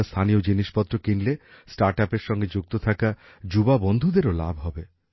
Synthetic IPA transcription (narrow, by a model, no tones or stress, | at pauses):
st̪ʰanijod͡ʒiniʃpɔt̪ːɾokinlesʈaɾʈapeɾʃɔŋɡed͡ʒuk̚t̪ot̪ʰaka | d͡ʒubabond̪ʱud̪eɾola̰bʱɦɔbe